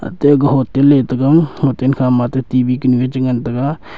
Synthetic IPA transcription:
ə̰t̪eɡɦoːt̪eleːt̪əɡahoːt̪enkʰaːmaːt̪eːt̪iːbiːkəniʋɪt͡ʃɡənt̪əka

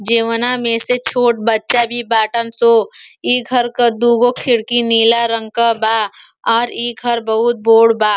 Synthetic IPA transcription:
d͡ʒeːʋənamẽːset͡ʃʰoːʈ̚bətːt͡ʃabʱibaːʈənsoːiːɡʱəɾkad̪uːɡokʰɪɽkiniːlaɾə̃ŋɡ̚kabaː | ɔːɾiːɡʱəɾbɐɦʊt̪̚boːɽbaː

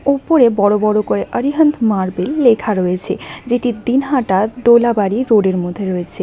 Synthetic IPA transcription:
opoɾebɔɽobɔɽokoɾeʔəɾiɦənt̪ʰmaɾbelːekʰaɾɔjet͡ɕʰed͡ʑeʈid̪inɦaʈad̪olabaɾiɾoɖeɾmod̪ʱːeɾɔet͡ɕʰe

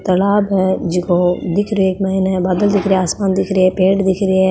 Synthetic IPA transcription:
t̪ɐlaːbɦɛd͡ʒɪkod̪ɪkʰɾeeːkmɐɦineɦɛbaːd̪əld̪ɪkʰɾieaːsmaːnd̪ɪkʰɾiɛpeːʈd̪ɪkʰɾiɦɛ

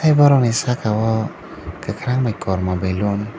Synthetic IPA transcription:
ajbaɾɔnisakʰawɔ | kəkʰɾaŋmakɔɾmabelɔn

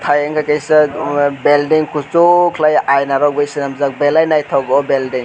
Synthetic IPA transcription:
tʰajeŋkʰakejsabeldiŋkʰut͡ʃokʰlajʔajnaɾɔwbejsinamzak̚belajnajtʰawɡɔbeldiŋ

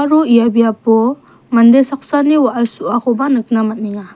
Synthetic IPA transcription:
aɾuijabijapɔ | ŋandesak̚saniwaʔalsuʔakubanɯk̚namat̚niŋa

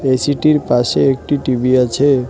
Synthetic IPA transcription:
esiʈiɾpaʃeek̚ʈiʈibiat͡ɕʰe

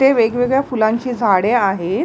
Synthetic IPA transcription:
eʋeɡʋeɡɭjafulãɲt͡ɕiːd͡zʱaɽeaɦet̪

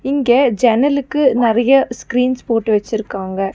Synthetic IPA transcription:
ɪŋɡeːd͡ʒɛnɐlɯkːɯnɪɾɐjɐskɾiːnspoːʈːɯʋɛt͡ʃːɪɾɯkːaːŋɡɐ

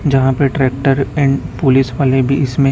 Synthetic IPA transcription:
d͡ʒɐɦãpeʈɾɛːk̚ʈəɾɛ̃ːɳɖpʊlisʋaːlebʱiɪsmẽ

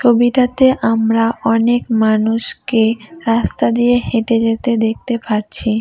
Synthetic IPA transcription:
t͡ɕʰobiʈat̪eʔamɾaʔɔnekmanuʃkeɾast̪ad̪ijeheʈed͡ʑet̪ed̪ek̚t̪epaɾt͡ɕʰi

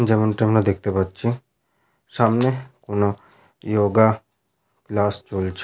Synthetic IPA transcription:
d͡ʒəmənʈemnãd̪ekʰt̪ebət̪ːt͡ʃʰĩ | saːmnekʊno | joːɡa | klaːst͡ʃolt͡ʃʰ

